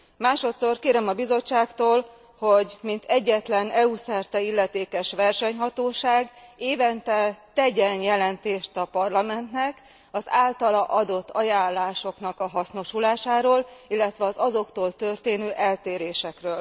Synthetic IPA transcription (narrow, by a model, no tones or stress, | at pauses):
maːʃo̞t̪so̞rkeːɾɛmɒbizo̞t͡ʃːaːkt̪oːl | ho̞ɟmint̪ɛɟːɛt̪lɛnɛusɛrt̪ɛilːɛt̪eːkɛʃʋɛrʃɛɲɦɒt̪oːʃaːɡeːvɛnt̪ɛt̪ɛɟɛnjɛlɛnt̪eːʃt̪ɒpɒrlɒmɛnt̪nɛk | ɒzaːlt̪ɒlɒʔɒd̪o̞t̪ːɒjaːlːaːʃo̞kn̪ɒkɒɦɒsno̞ʃulaːʃaːɾoːlilːɛt̪ʋɛɒzɒzo̞kt̪oːlt̪ø̞rt̪eːnøːʔɛlt̪eːɾeːʃɛkrøːl